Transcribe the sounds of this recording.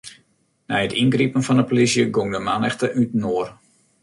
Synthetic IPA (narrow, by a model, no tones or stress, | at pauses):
nɛjətʰinɡripənfɔndəpolisjəɡoŋdəmanɛxtəʔytnoər